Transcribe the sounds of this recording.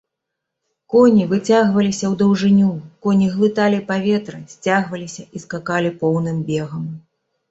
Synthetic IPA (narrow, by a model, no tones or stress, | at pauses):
kɔnʲivɨt͡sʲaɣvɐlʲisʲɐwd̪ɐwʐɨnʲukɔnʲiɣlˠɨt̪alʲipavʲɛt̪ɾɐsʲt͡sʲaɣvɐlʲisʲɐʔiskakalʲipɔwnɨmbʲɛɣɐm